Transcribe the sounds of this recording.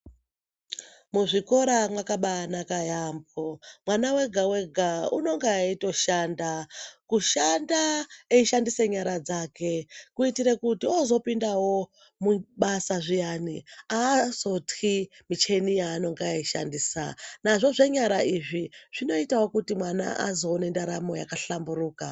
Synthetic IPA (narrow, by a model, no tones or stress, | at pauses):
muʐiko̞ɾamwakaɓaːnakajamb̚omwanawe̞ɡʱawe̞ɡʱauno̞ŋɡeaito̞ʃandakuʃandaeiʃandiseɲaɾad͡zaːke̞kuitiɾekutiozo̞pindawo̞ | muɓasaʐijaniaːzo̞ti | mit͡ʃe̞nijaːno̞ŋɡaaiʃa̰ndiːsa̰naʐo̞ʐe̞ɲaɾaiʐiʐ̥ino̞itawokutimwana̰ʔa̰zo̞ːne̞ndaɾamo̞jakaɬamburuːka